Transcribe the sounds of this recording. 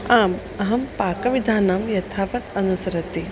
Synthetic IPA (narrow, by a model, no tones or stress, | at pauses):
aːm | ɐɦɐmpaːkɐʋid̪ʱaːnamjɐt̪ʰaːpɐt̪ɐnusɐɾɐt̪i